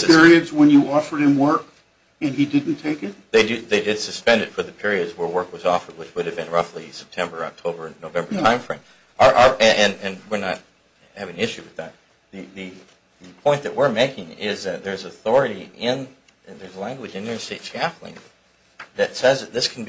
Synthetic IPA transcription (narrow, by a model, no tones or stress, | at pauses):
ɪɹiɨdzwə̃njɨɔfə˞d̚ɨ̃mwɜ˞k | ɨ̃nidɪdⁿn̩tʰeɪkɨt̚ðeɪdɨðeɪdɨd̥sɨspɛ̃ndɨtfə˞ðɨpʰɪɹiɨdzwə˞wɜ˞kwʌzɔfə˞d̚wət͡ʃwʊɾɨvbɨ̃nɹʌflisɛ̥p̚tʰɛ̃mbə˞ɑ̰k̚tʰoʊbə˞noʊvɛ̃mbə˞tʰãɪ̃ɱfɹɪ̃ɪ̃ | ə˞ʔə˞ʔɨʔɨ̃nɨ̃nwɪɹnət̚ | hævɪ̃ŋɪʃʉwɨðæt̪̚ | ðɨðɨ | ɨpʰɔ̃ɪ̃nðɨʔ̚wɪɹmeɪkɪ̃ŋɪzðɨt̪̚ðə˞zəθɔɹɨɾiʔɪ̃n | ðə˞zlæ̃ŋɡwɨd͡ʒɨ̃njɨsteɪtskæflˠɪ̰̃ŋ | ðɨtsɛzðɨt̪̚ðɪskʰn̩b